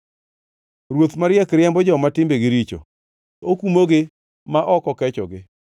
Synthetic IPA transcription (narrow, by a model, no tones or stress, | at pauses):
ɾwot̪maɾɪɛkɾjɛmbɔd͡ʒɔmatɪmbeɡɪɾit͡ʃo̰ | okumoɡɪ | maʔɔkɔkɛt͡ʃɔ̰ɡɪ